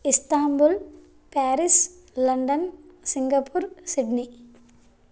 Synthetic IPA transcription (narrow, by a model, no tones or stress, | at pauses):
ɪst̪aːmbul | paːɾɪs | lɐɳɖɐnsɪŋɡɐpʰːuːɾsɪɖni